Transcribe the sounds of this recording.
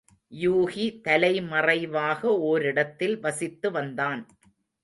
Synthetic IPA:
juːɣit̪ɐlɐɪmɐrɐɪʋaːɣɐoːɾɪɽɐt̪ːɪlʋɐsɪt̪ːɯʋɐnd̪aːn

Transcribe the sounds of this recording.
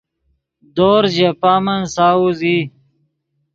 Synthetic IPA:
d̪oːɾʑepaːmɐnsaːuzi

